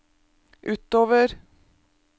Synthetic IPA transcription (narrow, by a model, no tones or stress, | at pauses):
ʔʉːt̪oːʋəɾ